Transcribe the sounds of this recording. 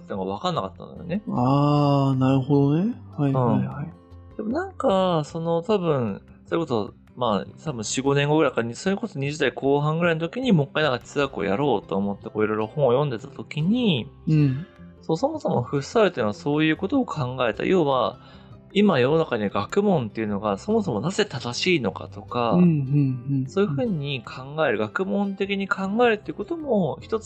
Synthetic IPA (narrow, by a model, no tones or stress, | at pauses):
t̪enoɡaβakanːakat̪ːa̰nd̪o̰jo̰ne̞aːnaɾɯ̟hod̪onehaiɯ̟̃ɴhaid̪̥e̞mo̞nãŋkaso̞no̞t̪abɯ̟̃ɰ̃ | soːiko̞so̰ | mat̪abɯ̟̃ɕiɨɡo̞nẽ̞ŋɡo̞ɡɯ̟ɾaikaɲiso̞ːko̞soɲ̟iʑid̪aikʰo̞ːɦãŋɡɯ̟ɾaint̪okʲiɲ̟imo̞kːainakai̥t͡sɨakɯ̟o̰jaɾo̞ːt̪ːoːmo̞t̪ːe̞ko̞ːiɾo̞jɾo̞hõ̞ɰ̃ojõ̞nd̪e̞t̪at̪o̞kʲiɲ̟i | soːso̞mo̞so̞moɸɯ̟saɾɯt̪ːenoaso̞ːjɯ̟ːko̞t̪o̞ːkʰãŋɡae̞t̪a̰jʔo̞ːβa | imajo̞no̞nakaɲ̟iaɡakɯ̟mõ̞nt̪ːe̞iɯ̟no̞ɡaso̞mo̞so̞mo̞naze̞t̪ad̪aɕiːno̞ka̰t̪o̞ka | soːjɯ̟ɸɯ̟ːɲ̟ikʰãŋɡae̞ɾɯ̟ɡakɯ̟mõ̞nt̪e̞kʲiɲ̟ikʰãŋɡaeɾɯ̟t̪ːeiɯ̟ko̞t̪o̞mo̞çi̥t̪o̞t͡s